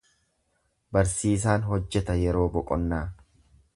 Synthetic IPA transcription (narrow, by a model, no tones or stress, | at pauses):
bɐɾsiːs̬aːnɦɔd͡ʒːɛt̪ɐjɛɾo̞ːbɔkʼɔnːaː